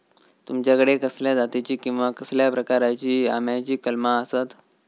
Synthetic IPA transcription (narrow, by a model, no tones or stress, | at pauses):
t̪umt͡ɕjakəɽekəsljad̪at̪it͡ɕiːkĩw̃ʋakəsljapɾəkaɾat͡ɕiːa̰mjat͡ɕiːkəlmaəsat̪